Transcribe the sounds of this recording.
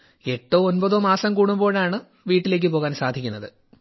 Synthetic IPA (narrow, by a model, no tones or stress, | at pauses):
e̞ʈːoːonbɐðoːmaːsɐmkuːɽumbo̞ːɻaːɳɨ | ʋiːʈːile̞ːk̬ːɨpo̞ːɣaːnsaːd̪ʱikʲːunːɐðɨ